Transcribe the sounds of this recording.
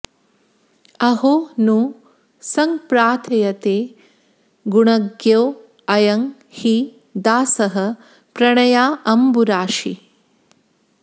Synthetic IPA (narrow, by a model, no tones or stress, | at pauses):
ɐɦonu | sɐŋpɾaːt̪ʰɐjɐt̪eː | ɡuɳɐɡjɐw | ɐjɐŋ | hi | d̪aːsɐɦɐ̆ | pɾɐɳɐjaːʔɐmbuɾaːʃi